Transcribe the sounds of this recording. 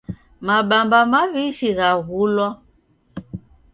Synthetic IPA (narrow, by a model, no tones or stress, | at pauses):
maɓambamaβiʃiɣaɣulɔ